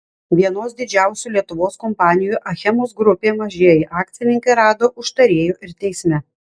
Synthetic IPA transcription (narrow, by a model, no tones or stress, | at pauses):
ʋʲiɛnoːsd̪ʲɪd͡ʒʲæˑʊsʲuːlʲiɛt̪ʊʋoːskɔmpɑːnʲɪjuˑʔɐxʲɛmoːsɡɾʊpʲeːmɐʒʲiɛjɪʔɑːk̚t̪sʲɪnʲɪŋʲkʲeːɾɑːd̪oːʔʊʃt̪ɐɾʲeːjuːʔɪɾt̪ʲɛɪsʲmʲɛ